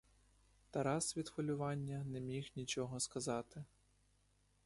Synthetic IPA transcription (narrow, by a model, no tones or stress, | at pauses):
t̪ɐɾɑsʋʲid̪fɔlʲʊʋɑnʲːɐnɛmʲixnʲit͡ʃɔɦɔskɐzɑt̪ɪ